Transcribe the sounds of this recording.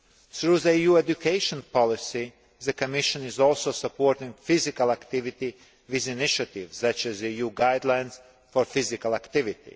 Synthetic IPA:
sɾuːðəijuːed̪ukʰeɪʃɔ̃npɔlˠɪsi | ðəkɔmiʃɔ̃nizɔlˠsoʊsapoɾt̪ĩŋfizikalˠakt̪ivit̪i | viziniʃat̪iʋsat͡ʃæzijuːɡaɪd̪lˠajns | fɔɾfizikalˠakt̪ɪvit̪ḭ

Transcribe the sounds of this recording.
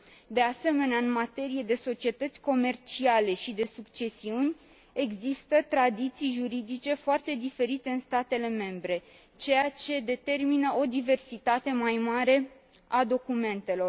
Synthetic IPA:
d̪e̞ase̞me̞neaɨnmat̪e̞ɾije̞d̪e̞so̞t͡ʃie̞t̪ət̪sʲko̞me̞rt͡ʃiale̞ʃid̪e̞sukt͡ʃe̞siunʲ | e̞ɡzist̪ət̪ɾad̪it̪sijʒuɾid̪it͡ʃe̞foart̪e̞d̪ife̞ɾit̪e̞ɨnst̪at̪e̞le̞me̞mbɾe̞ | t͡ʃe̞jat͡ʃe̞d̪e̞t̪e̞rminəʔod̪ive̞rsit̪at̪e̞majmaɾe̞ | ad̪o̞kume̞nt̪e̞lo̞r

